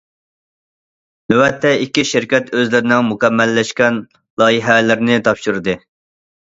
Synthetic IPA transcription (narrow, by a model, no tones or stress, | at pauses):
nøwɛt̪ʰːɛikʲːiʃɪɾkʲɛt̪øzlɪɾɪnɪŋmukʲɛmːɛlːɛʃkʲɛn | lˠɑːjiɦɛlɪɾnɪt̪ʰɑpʃuɾɨd̪ɨ